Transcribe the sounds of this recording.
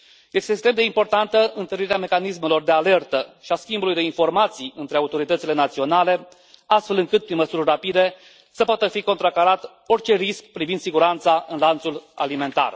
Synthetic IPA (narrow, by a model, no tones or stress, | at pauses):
je̞st̪ekst̪ɾemd̪eimpo̞rt̪ant̪əʔɨnt̪əɾiɾeame̞kanisme̞lo̞rd̪e̞ale̞rt̪əʃiaskʲimbulujd̪e̞info̞rmat̪siɨnt̪ɾeaut̪o̞ɾit̪ət̪sile̞nat̪sio̞nale̞ | ast̪fe̞lɨŋkɨt̪̚pɾinməsurʲrapid̪e̞ | səpoat̪əfikont̪ɾakaɾat̪ | o̞rt͡ʃe̞riskpɾivind̪siɡuɾant̪saɨnlant̪sula̰lime̞nt̪a̰r